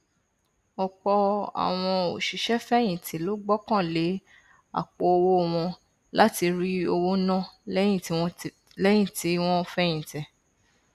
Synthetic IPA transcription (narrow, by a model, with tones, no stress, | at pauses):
ɔ˨kɔ˧a̰˨w̃ɔ̃˧o̰˨ʃi˨˦ʃɛ˦fɛ˦j̃ĩ˨tʰĩ˨lo˨˦ɡ͡bɔ˦kã˦˨le˨˦ | a̰˦˨k͡po˨o˧wo˦˧w̃ɔ̃˧ | la˦ti˧ɾi˦o˧wo˦nã˦lj̃ĩ˦˨ti˨˦w̃ɔ̃˦ | lɛ˦j̃ĩ˦˨ti˨˦w̃ɔ̃˦˧fɛ˦j̃ĩ˨tɛ˨